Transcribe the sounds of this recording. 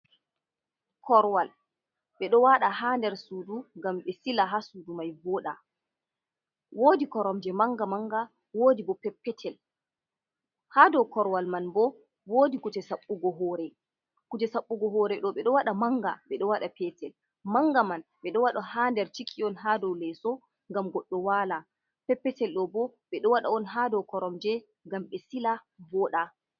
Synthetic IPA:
kʰɔɾwal | ɓɛɗɔwaɗahandɛɾsuːduŋɡamɓɛsilaɦasudumajbɔɗa | woːdikɔɾɔmd͡ʒɛmaŋɡamaŋɡa | woːdibɔpɛpːɛtʰɛl | haːdɔwkɔɾwalmanbɔ | woːdikut͡ʃɛsaɓːuɡɔɦɔɾɛ | kud͡ʒɛsaɓːuɡɔɦɔɾɛɗɔɓɛɗɔwaɗamaŋɡaɓɛɗɔwaɗapɛtɛl | maŋɡamanɓɛɗɔwaɗɔhandɛɾt͡ʃikʰːiɔnɦadɔwlɛsɔ | ŋɡamɡɔɗːɔwala | pɛpːɛtɛlɗɔbɔɓɛɗɔwaɗaɔnɦadɔwkɔɾɔmd͡ʒɛ | ŋɡamɓɛsilabɔɗa

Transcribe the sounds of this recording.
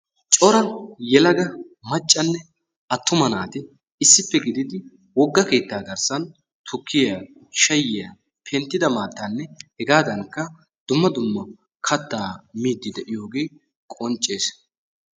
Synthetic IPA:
t͡ʃʼɔɾɐjɛlɐɡɐ | mɐt͡ʃʼːɐnːɛ | ɐt̪ːʊmɐnaːt̪ɪ | ɪsːɪpːɛɡɪd̪ɪd̪ɪ | wɔɡːɐke̞ːt̪ːaːɡɐɾsɐn | t̪ʰʊkʰːɪjaː | ʃɐjːɪja | pʰɛnt̪ːɪd̪ɐmaːt̪ːɐnːɛhɛɡaːd̪ɐŋkːɐ | d̪̥ʊmːɐd̪ʊmːɐ | kʰɐt̪ːaːmiːd̪ːɪd̪ɛʔɪjo̞ːɡeː | kʼɔnt͡ʃʼːe̞ːs

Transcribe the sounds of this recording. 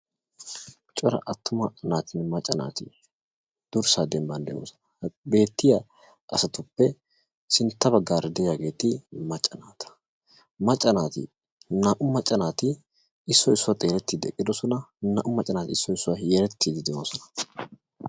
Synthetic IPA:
t͡ʃʼɔɾɐ̰ʔɐt̪ːʊmɐɐnaːt̪ɪnmɐt͡ʃʼːɐna̰ːt̪ɪ | d̪̥ʊɾsaːd̪ɛmbɐnd̪ɛjo̰ːsɔ̥nɐbe̞ːt̪ːɪjɐ | ʔɐsɐt̪ʊpːɛ | sɪnt̪ːɐbɐɡːaːɾɛd̪ɛjaɡe̞ːt̪ɪmɐt͡ʃʼːɐnaːt̪ʰɐ̥ | mɐt͡ʃʼːɐnaːt̪ɪ̰ | nɐʔʊmːɐt͡ʃʼːɐnaːt̪ɪ | ɪsːɔɪsːʊwat̪ʼeːɾɛt̪ːiːd̪ɛ̰kʼːɪd̪ɔsɔnɐnɐ̰ʔʊmːɐt͡ʃʼːɐnaːt̪ɪsːɔɪsːʊwajɛɾɛt̪ːiːd̪ɪd̪ɛoːsɔnɐ̥

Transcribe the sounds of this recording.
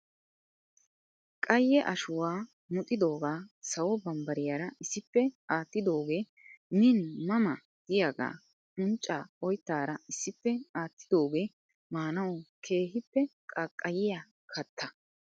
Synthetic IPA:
kʼɐjːɛʔɐʃʊwaː | mʊt̪ʼːɪd̪o̞ːɡaːsɐwɔbɐmbɐɾɪjaːɾɐɪsːɪpːɛaːt̪ːɪd̪o̞ːɡeː | nɪnmɐmɐ | d̪̥ɪjaɡa̰ː | ʔʊnt͡ʃʼːaːɔjt̪ːaːɾɐɪsːɪpːɛaːt̪ːɪ̥d̪o̞ːɡe̞ː | maːnɐwkʰe̞ːhɪpːɛkʼɐkʼːɐjɪja | kʰɐt̪ʰːɐ

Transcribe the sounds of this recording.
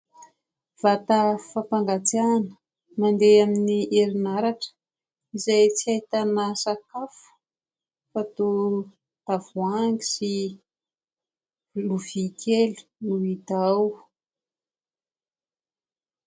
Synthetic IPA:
v̥at̪afapaŋɡat͡sianə | mand̪eaminiʔeɾinaɾaʈ͡ʂə̥ | izajt͡siajit̪anasakafu̥ | fat̪u | t̪avuaŋɡi̥si | luvikʰelu̥nuit̪aw

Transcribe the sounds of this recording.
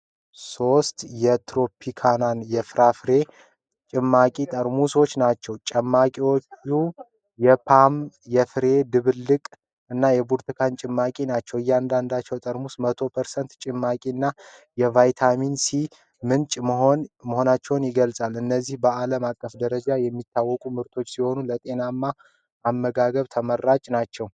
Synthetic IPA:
so̞st̪jɛt̪ʰɾo̞pʰikʰananjɛfɨɾafɾe̞ | t͡ʃʼɪmːakʼit̪ʼəɾmuswo̞t͡ʃːnat͡ʃːɛwt͡ʃʼɛmːakʼiwo̞t͡ʃːu | jɛpʰam | jɛfɨɾe̞d̪ɨβɨlːɨkʼ | ɨnːajɛbuɾt̪ʰɨkʰant͡ʃʼɪmːakʼinat͡ʃːɛwɨjːand̪and̪at͡ʃːɛwt̪ʼəɾmusmət̪ʰo̞pʰəɾsənt̪t͡ʃʼɪmːakʼiɨnːajɛvajt̪ʰaminsi | mɨnt͡ʃʼmonməho̞nat͡ʃːɛwnjɪɡəlsʼalɨnːəzːihbəaləmakʼːəfd̪əɾəd͡ʒajɛmːit̪ʰːawːɔkʼumɨɾt̪ʰo̞t͡ʃːsiho̞nulət̪ʼe̞namːa | amːəɡaɡəβt̪ʰəmərːat͡ʃʼnat͡ʃːɛw

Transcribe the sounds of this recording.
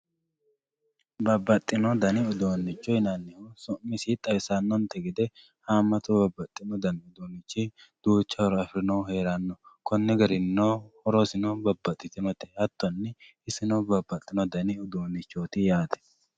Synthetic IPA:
bɐbːɐt̪ʼːɪnɔd̪ɐnɪʊd̪oːnːɪt͡ʃːɔjnɐnːɪhʊsɔʔmːɪsit̪ʼːɐwɪsanːɔnt̪ːɛɡɪd̪ɛ | haːmːɐt̪ɔbɐbːɐt̪ʼːɪnɔd̪ɐnʊd̪oːnːɪt͡ʃːi | d̪̥uːt͡ʃːɐɔɾɔɐfɾɪnɐwɦe̞ːɾɐnːɔkɔnːɛɡɐɾɪnːohɔɾɔsɪnɔbɐbːɐt̪ʼːɪt̪ɪnɔt̪ɛ̥hɐt̪ːɔnːɪ | ɪsɪnɔbɐbːɐt̪ʼːɪnɔd̪ɐnɪʊd̪oːnːɪt͡ʃːoːt̪ɪjaːt̪ʰɛ̥

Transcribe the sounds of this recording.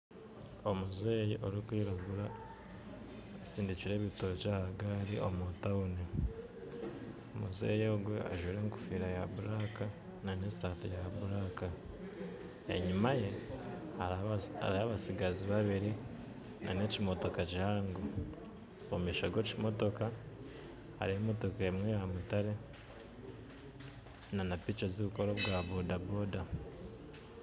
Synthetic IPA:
o̞muzeːjiʔoɾikwiːɾaɡuɾa | asiːndiciɾe̞ːβitot͡ʃahaɡaɾiʔo̞motauni | omuzḛːjoɡwea̰ʒwiɾeŋku̥fiːɾajaβuɾaka | nane̞saːtijaβuɾaka | ḛɲimaje̞ | aa̰ɾiaβasiɡaziβaβiɾi | nʔa̰ne̞cimo̞to̞kacihaːŋɡo | omiːʃoɡeːcimo̞to̞ka | a̰ɾihomo̞to̞kaemwejamutaɾe̞ | nanapiːt͡ʃozuβuko̞ɾoβɡaβodaboda

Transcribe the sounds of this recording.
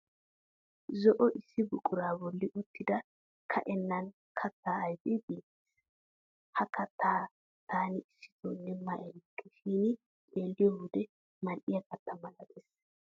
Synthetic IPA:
zɔʔɔʔɪsːɪbʊkʼːʊɾaːbɔlːɪʔʊt̪ːɪd̪ɐ | kʰɐ̰ʔɛnːɐn | kʰɐt̪ːaːɐjb̪ɪbiːt̪ | hɐkɐt̪ʰːaː | t̪ʰaːnɪɪsːɪ̥t̪ɔnːɛmːɐʔɛlkʰːɛʃiːnɪ | kʼe̞ːlːɪjɔwʊd̪ɛ | mɐnʔɪjɐkɐt̪ːɐmɐlɐt̪es

